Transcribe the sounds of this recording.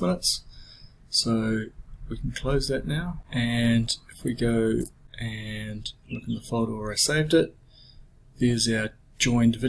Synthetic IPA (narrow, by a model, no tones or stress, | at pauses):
mɪ̃nəts | soʊwikʰn̩kʰl̥oʊzðɨʔⁿnaʊɨ̃nɨfwiɡoʊʔɨ̃nlʊknðəfoʊɾəwə˞aɪseɪvdɪt̪̚ | ðə˞zaʊə˞ | d͡ʒɔ̃ɪ̃ndɨvɪ